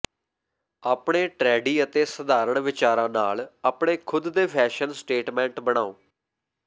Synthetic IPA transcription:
aːpɳeːʈɾɛːɖiːət̪eːsəd̪aːɾəɳʋɪt͡ʃaːɾãːnaːlaːpɳeːkʰʊd̪d̪eːpʰɛːʃənsʈeːʈmɛ̃ːɳʈbəɽ̃aːo̰ː

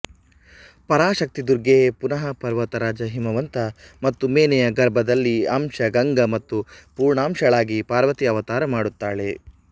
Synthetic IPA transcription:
pɐɾaːʃɐk̚t̪id̪uɾɡeːpunɐɦɐpɐɾʋɐt̪ɐɾaːd͡ʒɐɦimɐʋɐnt̪ɐmɐt̪ːumeːnɛjɐɡɐɾbʱɐd̪ɐlːiamʂɐɡɐŋɡɐmɐt̪ːupuːɾɳaːmʃɐɭaːɡipaːɾʋɐt̪iɐʋɐt̪aːɾɐmaːɽut̪ːaːɭe

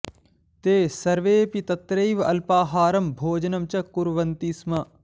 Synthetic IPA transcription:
t̪eːsɐɾʋeːpit̪ɐt̪ɾɐːʋɐ̰lpaːɦaːɾɐmbʱoːd͡ʒnɐmt͡ʃɐkuɾʋɐnt̪ismɐ

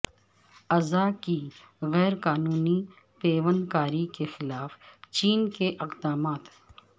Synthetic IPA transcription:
ɐzaki | ɣɛːɾqaːnuːni | peːʋənkaːɾikexɪlaːft͡ʃiːnkeʔɪqd̪aːmaːt̪

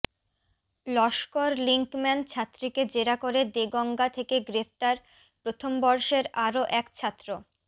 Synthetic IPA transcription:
lɔʃkoɾliŋkmɛnt͡ɕʰat̪ːɾiked͡ʑeɾakoɾed̪eɡɔŋɡat̪ʰekeɡɾeft̪aɾ | pɾot̪ʰombɔɾʃeɾaɾoʔɛkt͡ɕʰat̪ːɾo

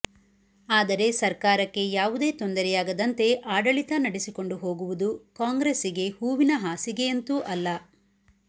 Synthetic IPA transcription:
aːd̪ɐɾe̞sɐɾkaːɾɐkːe̞jaːʋud̪e̞ːt̪o̞nd̪ɐɾɛjaːɡɐd̪ɐnt̪e̞ʔaːɖɐɭit̪ɐnɐɽesiko̞ɳɖuɦo̞ːɡuʋud̪ukaːŋɡɾesiɡe̞huːʋinɐɦaːsiɡe̞ent̪uʔɐlːɐ

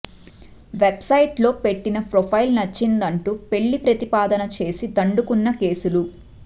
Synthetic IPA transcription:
ʋebsɐjʈlo̞ːpe̞ʈːinɐpɾopʰɐjlnɐt͡ʃːind̪ɐɳʈupe̞ɭːipɾɐt̪ipaːd̪ɐnɐt͡ʃe̞ːsid̪ɐɳɖukunːɐke̞ːsulu

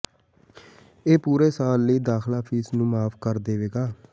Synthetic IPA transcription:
eːpuːɾeːsaːlːəiːd̪aːxlaːpʰiːsnũːmaːpʰkəɾd̪eːʋeːɡaː

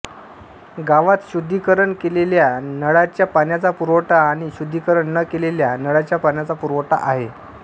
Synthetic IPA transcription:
ɡaʋat̪ɕud̪ʱːikəɾəɳkeleljanəɽat͡ɕjapanjat͡sapuɾʋəʈaːɽ̃iɕud̪ʱːikəɾəɳnəkeleljanəɽat͡ɕjapaɳjat͡sapuɾʋəʈa̰ʔaɦe

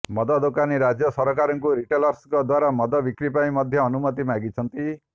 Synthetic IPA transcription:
mɔd̪ɔd̪okaniɾad͡ʒjɔsɔɾɔkaɾɔŋkuɾiʈelɔɾskɔd̪waɾamɔd̪ɔbikɾipaj̃mɔd̪ʱjɔːnumɔt̪imaɡit͡ʃʰɔnt̪i

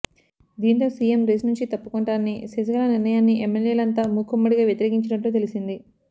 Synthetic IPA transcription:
d̪iːnt̪oːsiːemɾeːsnuɲt͡ʃit̪ɐpːukoɳʈaːnːḭsesɐɡɐlɐniɾnɐjaːnːiʔemːeljeːlɐnt̪aːmukʰːumːɐɽiɡaːʋjɐt̪iɾe̞ːkiɲt͡ʃɐɽɐʈluːt̪̬elisind̪i

